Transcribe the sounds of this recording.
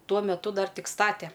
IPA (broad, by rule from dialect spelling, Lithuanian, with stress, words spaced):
ˈtuɔ mʲɛˈtʊ ˈdɐr ˈtʲɪk ˈstɑːtʲɛ